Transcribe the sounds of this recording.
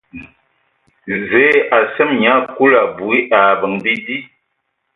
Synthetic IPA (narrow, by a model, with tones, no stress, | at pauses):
zɛ˨˦a˨sɛ˦mɲa˦ku˦la˨bu˨i˦ʔa˨bə˨ŋbi˦di˦